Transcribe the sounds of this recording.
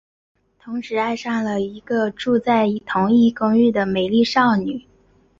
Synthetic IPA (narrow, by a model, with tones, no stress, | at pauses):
t̪ʰʊ˧˥ŋʂɻ̩˧˥a˥˧ɪʂɑ˥˩ŋlə˩i˧˥ɡə˧ʈ͡ʂu˥˧t͡sa˥˩ɪ˧˥t̪ʰʊ˧˥ŋi˥˩kʊ˥ŋy˥˩d̪ə˩me˨˩ɪli˥˧ʂɑ˥˩ʊny˨˩˦